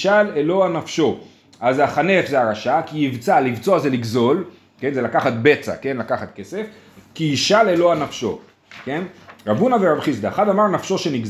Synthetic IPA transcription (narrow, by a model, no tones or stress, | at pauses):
ʃalelo̞anafʃo̞ | azaχane̞fzeaʁaʃakiivt͡salivt͡soazeliɡzo̞l | ke̞nzelakaχat̪̚be̞t͡sa̰ke̞nlakaχat̪̚ke̞se̞f | kiiʃaleloanafʃo̞ | kenʁabunaveʁabχisd̪aχad̪amaʁnafʃo̞ʃe̞niɡz